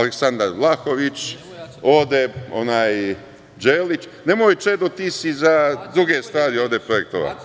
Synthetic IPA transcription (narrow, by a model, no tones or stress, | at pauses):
aleksand̪aɾlˠaxo̞ʋit͡ʃ | o̞ːd̪eonaːj | d͡ʒeːlit͡ʃne̞mojt͡ʃed̪ot̪isizad̪ɾuɡest̪ʋaːɾioːʋd̪epɾojek̚t̪o̰ʋa̰